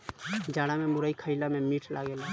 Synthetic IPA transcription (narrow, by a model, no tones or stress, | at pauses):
d͡ʒaɽamemuɾəikʰəɪjlamemiʈʰlʔa̰ɡel